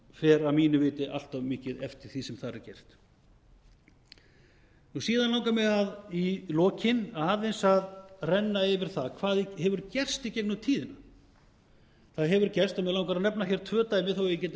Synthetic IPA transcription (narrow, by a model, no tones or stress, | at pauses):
fɛːɾamiːnʏvɪːt̪ɪʔa̰l̥t̪avmɪːcɪðɛ̰ft̪ɪɾ̥θisɛmθaɾɪ̰ɾcɛr̥t̪ | nusiːðanlaw̃ŋkamɪɣaðilɔːcʰɪnaːðɛnsaðrɛnːaɪvɪɾ̥θaðkʰvaːðihɛvʏɾcɛr̥st̪icɛjknʏt̪ʰiːðɪna | θaðɦɛvʏɾcɛr̥st̪amɛlawŋkaɾanɛpnaçjɛɾ̥t̪ʰvœːt̪aːjmɪθowɛjɪcɛːt̪